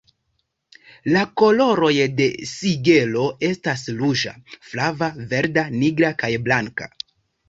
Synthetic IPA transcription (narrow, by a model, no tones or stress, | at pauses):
lako̞lo̞ɾo̞jde̞siɡe̞lo̞e̞stasluʒa̰flavave̞ɾdaniɡɾakajblaŋka